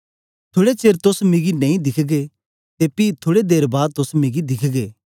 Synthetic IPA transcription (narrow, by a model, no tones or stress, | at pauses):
t̪ʰoːɽet͡ʃeːɾt̪ʊsmɪɡinɐ̃ĩd̪ɪkʰɡe | t̪epiːt̪ʰoːɽed̪eːɾbaːd̪̚t̪ʊsmɪɡid̪ɪkʰɡeː